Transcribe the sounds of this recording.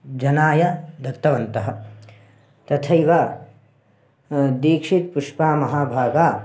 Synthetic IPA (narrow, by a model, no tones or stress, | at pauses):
d͡ʒɐnaːjɐd̪ɐt̪ːɐʋɐnt̪ɐɦɐ̆ | t̪ɐt̪ʰɐjʋaː | d̪iːkʂit̪puʂpaːmɐɦaːbʱaːɡaː